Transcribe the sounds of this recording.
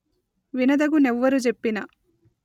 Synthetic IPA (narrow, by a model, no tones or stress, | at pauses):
ʋinɐd̪ɐɡunɛʋːɐɾud͡ʒepːinɐ